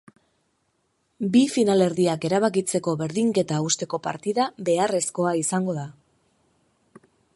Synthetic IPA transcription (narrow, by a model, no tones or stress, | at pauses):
bifinale̞ɾðiake̞ɾaβ̞akit͡se̞ko̞βe̞ɾðiŋke̞t̪aust̪e̞ko̞pa̰ɾt̪iðaβe̞are̞sko̞aisaŋɡo̞ða